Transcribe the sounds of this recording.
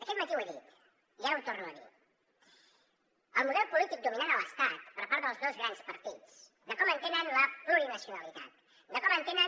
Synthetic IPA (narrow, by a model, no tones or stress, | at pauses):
d̪əkɛt̪mat̪iwaɾḭt̪ | jaunt̪oɾnua̰nḭ | əlmuðɛlpulit̪ik̚d̪ominanaləst̪at̪pəɾpaɾt̪ðəlˠzd̪ozɣɾanspaɾt̪it̪s | d̪əkɔmə̃nt̪ɛnanlapɾuɾinasjunalit̪at̪̚ | d̪əkɔmãnt̪ɛna